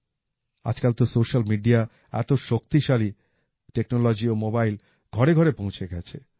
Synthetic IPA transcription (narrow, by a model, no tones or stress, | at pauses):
a̰d͡ʑkalt̪osoʃalmiɖia | ɛ̰t̪oʃok̚t̪iʃali | ʈeknolod͡ʑiomobajl | ɡ̥ʱɔɾeɡʱɔɾepõw̃t͡ɕʰeɡɛt͡ɕʰe